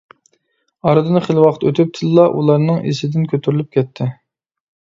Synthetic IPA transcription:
ɑɾɨd̪ɨnɨχəlwɑqət̪øt̪ʰyp̚t̪ʰɨlˠlˠɑʔulˠɑɾnɨŋḛsɪd̪ɪnkʲʰøt̪ʰyɾlyp̚kʲʰɛt̪ʰːɪ

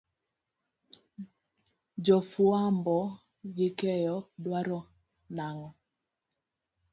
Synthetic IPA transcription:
d͡ʒɔfuambɔ | ɡɪkɛjɔdwaɾɔ | naŋɔ

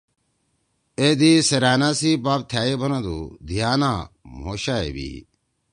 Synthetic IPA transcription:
ed̪iseɾaːnasibaːb̚t̪ʰjaːjebʱɐnãd̪ṵd̪ʱijaːnamoːɕaḛbḭ

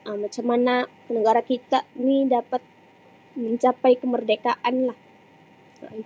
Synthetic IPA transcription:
ʔəmat͡ʃamːanakənəɡaɾakit̪anidapat̪̚ | məɲt͡ʃapajkəmərdekaʔanlah

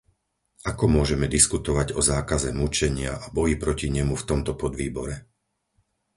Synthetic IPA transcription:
akɔmʊɔʒɛmɛd̪iskut̪ɔʋaɟɔzaːkazɛmut͡ʃɛɲɪaʔabɔjipɾɔciɲɛmuft̪ɔmt̪ɔpɔd̪ʋiːbɔɾɛ

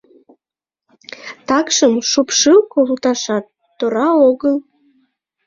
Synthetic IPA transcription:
t̪ɑkʃəmʃupʃɨwkolut̪ɑʃɑt̪ːoɾɑoɣəl

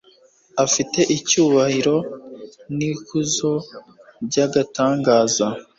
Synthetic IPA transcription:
afite̞ʔicuːβahiɾo̞ | nikuzo̞ | ɾɟaɡataːŋɡaːza

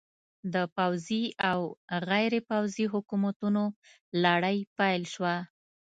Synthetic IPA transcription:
d̪əpawziawɣajɾepawziɦʊkumat̪uno | laɽəjpajlʃwa

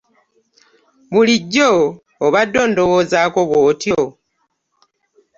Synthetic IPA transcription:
muliɟːoː | βadːo̞ːndowoːzaːko̞βwoːtjo

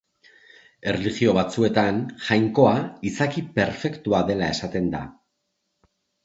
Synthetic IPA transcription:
e̞reliɣio̞βat͡sue̞t̪anʝajŋko̞aisakipe̞ɾfe̞kt̪uaðe̞lae̞sat̪e̞nd̪a̰

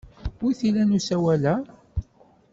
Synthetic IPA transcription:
ʊjθilænusæwælæ

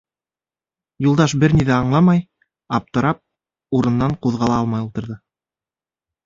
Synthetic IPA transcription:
julˠd̪ɑʃbɘɾniðæɑɴlˠɑmɑj | ɑp̚t̪ɤ̆ɾɑp̚ | uɾɤ̆nːɑɴquðʁɑlˠɑɑlˠmɑjulˠt̪ɤ̆ɾðɤ

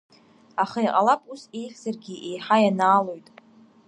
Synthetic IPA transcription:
aχajqʼalapʼuse̞jχʲzarɡʲiʔe̞jħajanaːlo̞jtʼ

